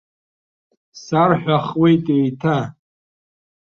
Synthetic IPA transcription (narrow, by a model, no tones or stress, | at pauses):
sarħᶣʷaχwe̞jtʼejtʰa